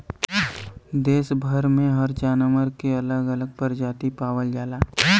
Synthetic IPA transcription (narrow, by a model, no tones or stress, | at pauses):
d̪eːsbʱəɾmẽɦəɾt͡ʃaːnəməɾkeɐləɡələɡ̚pəɾd͡ʒaːt̪ipaːʋəld͡ʒaːlaː